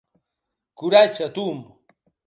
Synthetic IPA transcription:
kʊɾat͡ʃat̪um

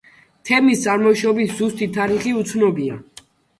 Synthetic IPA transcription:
t̪ʰɛmist̪sʼaɾmɔʃɔbiszust̪ʰʼit̪ʰaɾiχiut̪sʰnɔbia

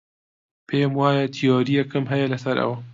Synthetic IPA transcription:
pʰeːmwaːjɐt̪ʰijoːɾijɐkɨmɦɐjɐlɐsɐɾʔɐ̰wɐ

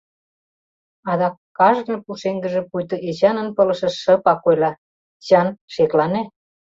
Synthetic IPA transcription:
ɑd̪ɑkː | ɑʒɣnɤpuʃeŋɡə̆ʒĕpujt̪ɤ̆ʔet͡ɕɑnə̆npɤ̆lə̆ʃə̆ʃə̆pɑkojlɑ | t͡ɕɑnʃeklɑne

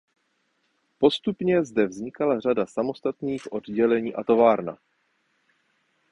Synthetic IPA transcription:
po̞st̪upɲɛzdɛvzɲɪkalar̝adasamo̞st̪at̪niːxʔo̞dɟɛlɛɲiːʔat̪o̞vaːɾna̰

